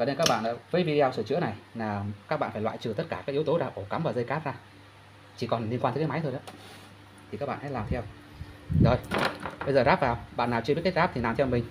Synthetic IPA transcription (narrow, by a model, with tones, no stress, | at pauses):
əː˧˩ne˧nkaː˦˥k̚ɓa̰ː˧˨nʔa̰ː˧˥vəː˨˦jvi˧ɗi˧a˧wsɨː˧˩t͡ɕɨ̰˧˥əna˨˩jlaː˨˩ka˦˥k̚ɓa̰ː˧˨nfaː˧˩jwa̰ː˧˨jt͡ɕɨ˨˩t̪ə˦˥t̚kaː˧˩kaː˦˥k̚i˨˦əwt̪o˨˦zaː˧˩ʔo˧˩ka˨˦mvaː˨˩zə˧jkaː˦˥p̚zaː˧ | t͡ɕi˧˩kɔ˨˩nli˧ənkwa˧t̪ːkːa˨˦jma˨˦jt̪ʰjʔaː˨˦˥ | t̪ʰi˨˩kaː˦˥k̚ɓ̰ːnhaː˨˥laː˨˩mt̪ʰɛ˧w | zo˨˩jɓə˧jzəː˨˩zaː˦˥p̚zaː˨˩wɓa̰ː˧˨nːaː˨˩wt͡ɕɨ˧ɓt̚kt̚zaː˦˥p̚t̪ʰi˨˩laː˨˩mt̪ʰɛ˧wmi˨˩ŋ̟